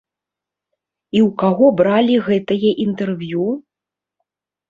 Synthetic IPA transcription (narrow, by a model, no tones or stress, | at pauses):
iwkaɣɔbɾalʲiɣɛt̪ɐjɛʔint̪ɛrvju